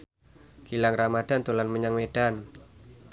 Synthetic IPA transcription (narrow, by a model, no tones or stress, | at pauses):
kilaŋramad̥ant̪ulanməɲaŋmed̥an